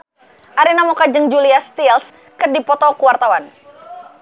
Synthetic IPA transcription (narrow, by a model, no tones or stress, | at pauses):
ʔaɾinamɔkad͡ʒəŋd͡ʒuliast̪ils | kɨrdipɔt̪ɔkuwart̪awan